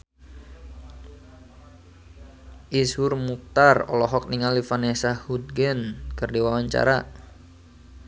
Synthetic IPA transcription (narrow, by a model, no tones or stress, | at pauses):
ʔisurmuk̚t̪arɔ̰lɔɦɔk̚niŋalifanɛsahud̪̚ɡɛnkɨrdiwawaɲt͡ʃa̰ɾa